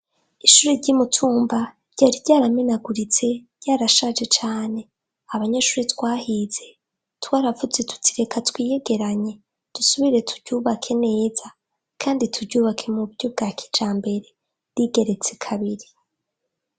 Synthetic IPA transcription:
iʃuɾeɾɟimutʰuːmba | ɾɟ̥aːɾiɟaːɾamenaɡuɾit͡se̞ | ɟaːɾaʃad͡ʒe̞t͡ʃaːne̞ | aβaɲeʃuːɾetwaːhiz̥e̞ | twaːɾavuze̞tʰu̥tʰiɾe̞kʰatwiːje̞ɡe̞ɾaɲe̞ | d̥usuβiɾe̞tʰu̥ɾɟuːβakʰe̞ne̞ːz̥a | kʰaːnditʰudɟuːβakʰe̞mubɟob̚ɡaːkʰi̥d͡ʒaːmbe̞ɾe̞ | ɾiɡe̞ɾe̞t͡sekʰaβiɾi

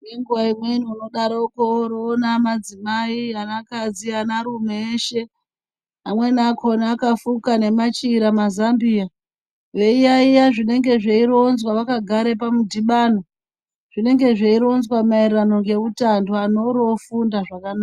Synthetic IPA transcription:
jeŋɡuʋaimwe̞nuːno̞ɗaɾoukoɾoːnamad͡zimaianakad͡zianaɾumeeʃe̞ | amwe̞nakʰonaakafukane̞mat͡ʃiɾamazambia | ʋe̞ijaijaʐine̞ŋɡe̞ʐeiɾo̞nzwaʋakaɡʱaɾe̞p̬amudʱiɓaːno | ʐ̥ine̞ŋɡe̞ʐeiɾo̞nzwamairrano̞ŋɡe̞utandoano̞ɾo̞fundaʐakanaːka

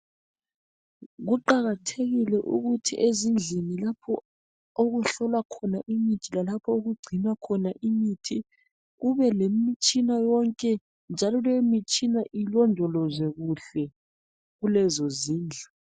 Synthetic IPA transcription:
ɣuǃaɣatʰeɣilɛʔṵɣutʰḭʔezind͡ɮʱinilapʰɔ | oɣuɬɔlwakʰɔnaʔimitʰilalapʰɔoɣuɡ͡ǀʱinwakʰɔnaʔimitʰi | ɣuβɛlemit͡ʃʼinajɔŋkʼɛ | nd͡ʒʱalɔlemit͡ʃʼinaʔilɔndʱɔlɔzɛɣuɬɛ | ɣulɛzɔziːnd͡ɮʱa

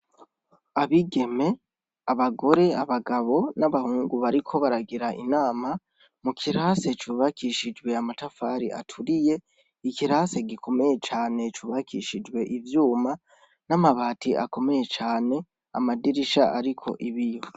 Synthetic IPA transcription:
aβiɡeme̞ | aβaɡo̞ɾe̞aβaɡaβo̞naβahuːŋɡuβaɾikʰo̞βaɾaɡiɾaʔḭnaːma | mukʰiɾaːse̞t͡ʃuːβakʰiʃid͡ʒɡwe̞amatafaɾḭʔa̰tʰuɾije̞ | ikiɾase̞ɡikʰo̞me̞je̞t͡ʃaːne̞t͡ʃuːβakʰiʃid͡ʒwe̞ʔivjuːma | namaβaːtʰiʔa̰ko̞me̞je̞t͡ʃaːne̞ | a̰madiɾiʃaʔaɾikʰo̞̰ʔiβijo

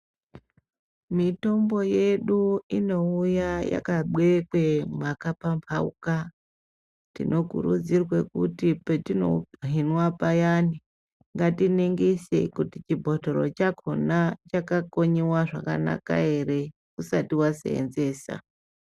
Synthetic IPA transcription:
mito̞mbo̞je̞ɗuino̞ujaja̰kaɓwe̞kwemakapampʰaṵka | tinʔo̞kṵɾṵd͡zirwekutietino̞̰ɦinwapajani | ŋɡatineŋɡesḛkutit͡ʃibʱotoɾo̞̰t͡ʃakʰo̞nat͡ʃakako̞ɲiwaʐaka̰na̰ka̰e̞re̞ | kusatiwasḛḛnze̞ːsa̰

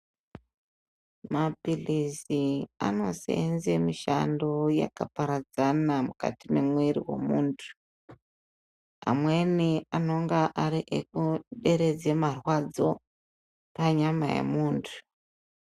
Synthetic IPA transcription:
mapilisia̰no̞sḛenzemiʃa̰ndo̞ja̰kapaɾad͡zanamuka̰timemweɾḭwe̞̰muːntʰu̥ | a̰mweniano̞ŋɡaʔaɾiʔek̚uɗe̞ɾe̞d͡zemarwad͡zo̞ | paɲamajḛmuːntʰu̥

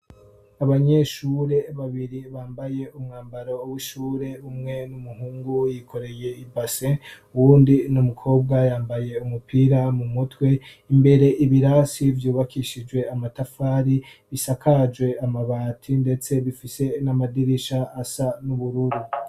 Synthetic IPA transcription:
aβaɲe̞ʃuɾe̞βaβiɾiβaːmbaje̞umŋaːmbaɾo̞wiʃuːɾe̞umŋe̞numuhuːŋɡujikʰo̞ɾe̞je̞ibaseuwuːndinumukʰo̞ːb̚ɡajaːmbaje̞umupʰiːɾamumutwe̞ | imbe̞ɾe̞ʔiβiɾasivjuːβakʰiʃid͡ʒwe̞amatafaɾiβisakʰad͡ʒwe̞amaβaːtʰinde̞t͡se̞βifise̞namadiɾiʃaːsanuβuɾuɾu

